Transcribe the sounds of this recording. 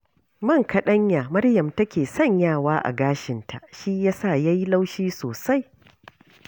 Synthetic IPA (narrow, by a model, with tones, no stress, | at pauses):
mɐ˦ŋkɐ˨ɗɐ˦ɲjaː˨mɐ˦rjɐ˨mtɐ˦kʲeː˨sɐ˦˨ɲjaː˦˨waː˦ʔa̰˨ɡaː˦ʃɪ˨ntʰa̰˨ʔʃi˦jaː˦sa˦˨jaː˦ji˦la˦wʃiː˦soː˨sa˦j